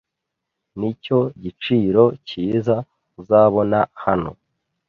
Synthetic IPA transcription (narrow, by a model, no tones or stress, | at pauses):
nico̞ɟit͡ʃiːɾo̞ciːza | uzaβo̞nahano̞̰